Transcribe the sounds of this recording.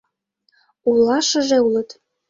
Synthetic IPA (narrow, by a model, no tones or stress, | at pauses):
ulɑʃə̆ʒeulɤ̆t̪